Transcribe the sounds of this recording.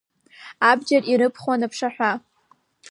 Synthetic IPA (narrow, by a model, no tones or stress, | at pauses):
abd͡ʒariɾɨpʰχwanapʰʂaħʷᶣa